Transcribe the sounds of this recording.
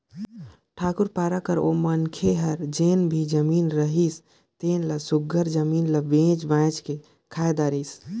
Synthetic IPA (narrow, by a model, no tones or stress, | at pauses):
ʈʰaːkuɾpaːɾakəɾo̰mənkʰeɦəɾd͡ʒenbʱid͡ʒəmiːnɾəɦis | t̪eːnləsʊɡəɾd͡ʒəmiːnləbẽd͡ʒbãt͡ʃke | kʰajd̪aːɾis